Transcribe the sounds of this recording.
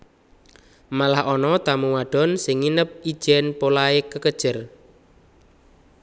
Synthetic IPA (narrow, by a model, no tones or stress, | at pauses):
malahʔɔnɔt̪amuwaɖ̥ɔ̤nsɪŋːinəp̚i̥ʒ̥ɛnpolaekəkəd̥ʒ̥ər